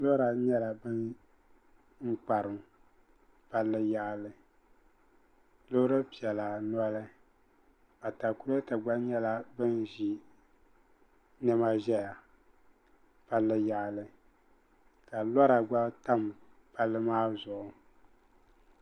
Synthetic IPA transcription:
lɔ˦ɾa˨ɲɛ˦la˨bɨ˦n | ŋ̩˦k͡pa˨ɾɨ˨m | pa˦lːɨ˦ja˦ʔlɨ˨ | lo˦ɾɨ˦pi˨ɛ˨la˨nɔ˦lɨ˦ | a˨ta˨ku˦ɾɨ˦ta˨ɡ͡ba˦ɲɛ˦la˦bɨ˦nʒi˨ | nɛ˦ma˦ʒɛ˦ja˨ | pa˦lːɨ˦ja˦˨ʔlɨ˦ | ka˨lɔ˦ɾa˨ɡ͡ba˦ta˦mpa˦lːɨ˦maː˦zʊ˨ʔʊ˨

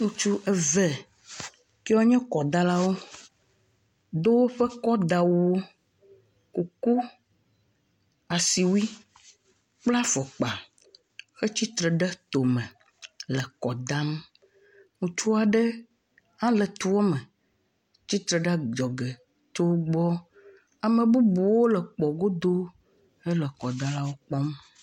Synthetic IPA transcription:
ŋũ˦t͡ʃu˦ʔɛ˨vɛ˦˨ | ke˦ɔ˦ɲɛ̃˦kɔ˨d̪a˦la˦wo˦ | d̪o˦wo˦ɸɛ˦kɔ˦d̪a˨wwo˦ | ku˨ku˦ | a˨si˨wu˦i˦ | k͡pla˦fɔ˨k͡pa˨ | xɛ˦t͡ɕi˦t̪ɾɛ˨ɖɛ˦t̪o˨mə̃˨ | lə˨kɔ˨d̪a˦m | ŋũ˨t͡ʃu˦a˨ɖə˦ | ã˦lə˨t̪u˦wo˦mə˨ | t͡ɕi˦t̪ɾe˨ɖa˦d͡ʒɔ˨ɡe˨ | t̪o˦wɡ͡bɔ˦ | a˨mə̃˨bu˦bu˨wo˦lə˨k͡pɔ˨ɡo˦d̪o˦ | e˦lə˨kɔ˨d̪a˦la˦wo˦k͡pɔ˦m

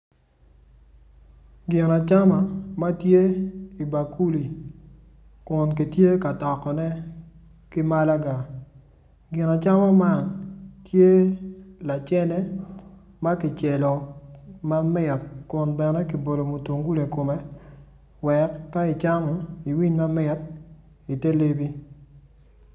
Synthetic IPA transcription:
ɡɪ˨na˨t͡ʃa˦ma˨ma˦tje˦i˨ba˨ku˦li˨ | kʊ˨nk̬i˨tje˦ka˨tɔ˨kɔ˨nɛ˦ | kɪ˦ma˦la˦ɡa˨ | ɡɪ˨na˨t͡ʃa˦ma˦ma˦ntje˦la˨t͡ʃɛ˦nɛ˦ | ma˦kɪ˨t͡ʃɛ˨lɔ˨ma˦mɪ˦tkʊ˨nbɛ˨nɛ˦ki˨bo˨do˨mo˨to˨ŋɡu˦le˨ko˨me˦ | wɛ˨kːa˦ɪ˨t͡ʃa˦ŋɔ˦i˨wi˦ɲma˦mɪ˦t | i˨te˦le˦bi˦

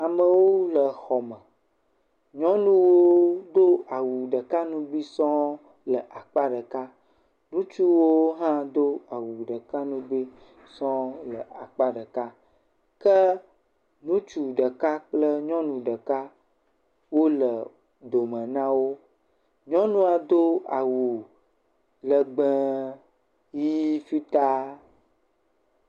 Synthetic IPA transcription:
a˨mə̃˨wo˦lə˨xɔ˨mə̃˨ | ɲɔ̃˦nũ˦wo˦d̪o˦a˨wu˨ɖə˨ka˦nũ˦bi˦sɔ̃˦ | lə˨ʔa˨k͡pa˦ɖə˨ka˦ | nũ˦t͡ʃu˦wo˦ɦã˦d̪o˦a˨wu˨ɖə˨ka˦nũ˦bi˦ | sɔ̃˦lə˨ʔa˨k͡pa˦ɖə˨ka˦ | kə˦ | nũ˦t͡ʃu˨ɖə˨ka˦k͡plə˦ɲɔ̃˦nũ˨ɖə˨ka˦ | wo˦lə˨ | d̪o˨mɛ̃˨nã˦wo˦ | ɲɔ̃˦nũ˦a˨d̪o˦a˨wu˨ | lə˨ɡ͡bɛ˦ | ji˦fi˦t̪a˦

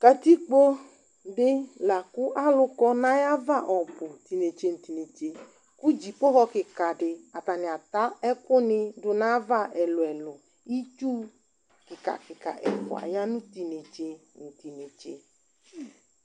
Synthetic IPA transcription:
ka˨t̪i˦k͡po˦ | ɖɪ˦la˨ku˦ʔa˦lʊ˦kɔ˦nã˦ja˦va˦˨ʔɔ˨bʊ˨t̪i˨ne˨t͡ʃe˦n̩˨t̪i˨ne˨t͡ʃe˨ | ku˦d͡ʒi˨k͡pʊ˦ɦɔ˦kɪ˨ka˨ɖɪ˨a˨t̪a˨nɪ̃˨a˨t̪a˦ɛ˦kʊ˦nɪ̃˦ɖʊ˨nã˦va˦ʔɛ˨lʊ˨ɛ˨lʊ˨ | i˦t͡ʃu˦ | kɪ˨ka̰˨kɪ˨ka̰˨ʔɛ̰˨fɔ̰˨a̰˨ja˦nũ˦t̪i˨ne˨t͡ʃe˦ | ŋ̩˨t̪i˨ne˨t͡ʃe˨

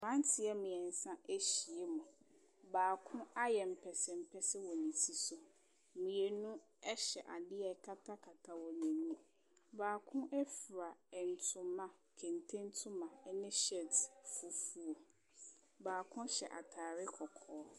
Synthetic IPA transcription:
mã˦n˦tʰɪ˨˦ɛ˦mĩ˨ɛ˨n̩˨sã˦ʔe˦ɕi˨e˦mʊ̃˨ | baː˨kʰʊ̃˦a˦jɛ˨m̩˨pʰɛ˨sɪ˨m̩˦pʰɛ˦sɪ˦wɔ˨nĩ˨tʰi˦sʊ˨ | mĩ˨e˨nʊ̃˦ | ɛ˦ɕɛ˨ʔa˨dɪ˦ɛ˨kʰa˦tʰa˦kʰa˨tʰa˨wɔ˨nɛ̃˨nũ˦ | baː˨kʰʊ̃˦ʔɛ˦fi˨ɾa˨ɛ˨n̩˨tʰʊ̃˨mã˨kʰɛ̃˨n˨tʰẽ˦n˦tʰʊ̃˦mã˨˦nɪ̃˦ɕɛ˦˨tfu˨fu˦o˨ | baː˨kʰʊ̃˦ɕɛ̰˨ʔa̰˨tʰaː˨ɾɪ˦kʰɔ˨kʰɔː˨˦

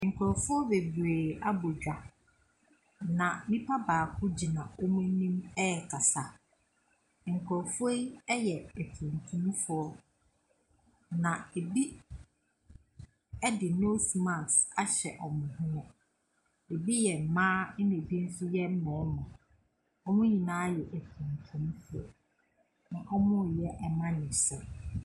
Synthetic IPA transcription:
ŋ̩˨kʰɾɔ˨fʊ˦ɔ˦be˨bɾeː˨a˦bʊ˨d͡ʑᶣa˨ | nã˨nĩ˦pʰa˦baː˨kʰʊ̃˦d͡ʑi˨nã˨o˦mũ˦nĩ˦mɛ˦ɛ˨kʰa˨sa˨ | ŋ̩˨kʰɾɔ˨fe˦ɛ˦jɛ˨e˨tʰũ˨n˨tʰũ˦m˦fʊ˦ɔ˦ | nã˨e˨bi˦ | ɛ˦dɪ˨no˦si˨mã˨sa˨ɕɛ˨ʔɔ˨mʊ̃˨hʊ̃˦ʊ̃˦ | e˨bi˦jɛ˨m̩˨mãː˦n˦nɪ̃˨bi˦n̩˦sʊ˦jɛ˦m̩˦mɛ̃ː˨˦mã˨ | ɔ˦mʊ̃˦ɲĩ˨nãː˦jɛ˨ʔæ˨tʰũ˨ntʰũ˦m˦fʊ˦ɔ̰˨ | nã˨ʔɔ˦mʊ̃˦˨jɛ˦ʔɛ˦˨mã˦nɪ̃˨sʊ˨

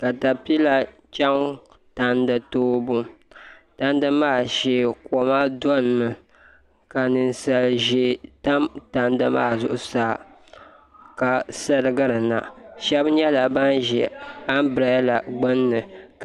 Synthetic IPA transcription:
ka˨ta˨pi˦la˦ | t͡ʃa˦ŋ | ta˦ndɨ˨toː˦bʊ˦ta˦n˦dɨ˦maː˦˨ʃɛ˦kɔ˨ma˦dɔ˦n˨nɨ˨ | ka˨nɨ˨n˦sa˨lʒɛ˦ta˦mta˦n˦dɨ˦ma̰ː˦˨zʊ˨ʔʊ˦saː˦ | ka˨sɨ˦ɾɨ˦ɡɨ˦ɾɨ˨na̰˨ʃɛ˦bɲɛ˦la˨ba˦nʒɛ˨a˦n˦bɾa˦la˨ɡ͡bɨ˦nːɨ˨k

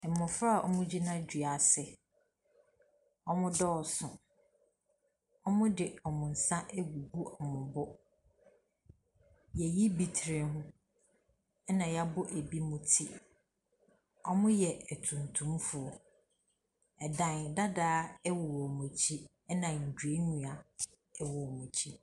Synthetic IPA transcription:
m̩˨mʊ̃˨fɾa˦a˨ʔɔ̰˦mʊ̃˦d͡ʑi˦nã˦d͡ʑᶣɥa˨sɪ˨ | ɔ˦mʊ̃˦dɔː˦˨sʊ̃˨ | ɔ˦mʊ̃˦dɪ˨ɔ˨mʊ̃˨n̩˨sã˦ʔɛ˦ɡu˨ɡu˦ʔɔ˨mʊ̃˨bʊ˦ | jɛ˨ji˦bi˨tʰɾe˨ɦʊ̃˦ | ɛ˦nã˨ja˦bʊ˦ʔe˨bi˦mʊ̃˦tʰi˦ | ɔ˦mʊ̃˦jɛ˨æ˨tʰũ˨ntʰũ˦mfʊ˨ɔ˦ | ɛ˨dã˨n˨da˦daː˦ɛ˦wʊ˨ɔ˨mʊ̃˨t͡ɕʰi˦ | ɛ˦nã˨ɲ̩˨dᶣu˨e˦ɲũ˨a˨ | ɛ˨wɔ˨ɔ˨mʊ̃˨t͡ɕʰi˦

